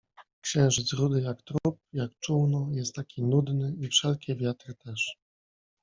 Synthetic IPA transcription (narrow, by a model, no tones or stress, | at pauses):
kɕɛ̃w̃ʐɘdt̪sɾud̪ɘjakt̪ɾup̚jakt͡ʂuwnɔjɛst̪ːakʲʰinud̪nɘifʂɛlkʲɛvʲjat̪ɾɘt̪ɛʂ